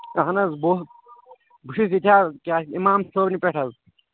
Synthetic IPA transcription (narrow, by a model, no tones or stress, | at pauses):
ɐɦɐnɐzbo | bʱuʂis̬it̪ʰʲaːkʲaːimaːmsoːbnipʲeʈʰɐz